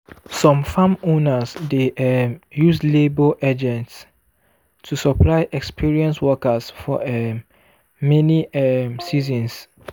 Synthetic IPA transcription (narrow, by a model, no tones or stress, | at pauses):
sɔ̃mfãmõnasdeɛjusleboʔad͡ʒɛ̃nts | tʰusɔplaɪʔɛkspiɹiɛ̃nswɔkəsfɔɛ | mɛniɛsizɔ̃ns